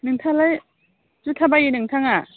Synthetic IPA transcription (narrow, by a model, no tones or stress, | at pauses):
nɯŋtʰalaj | d͡ʒutʰabajinɯŋtʰaŋa